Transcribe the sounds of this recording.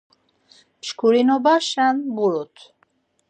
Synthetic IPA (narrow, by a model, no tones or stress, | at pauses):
ʃkʰuɾinɔbaʃanbuɾut̪ʰ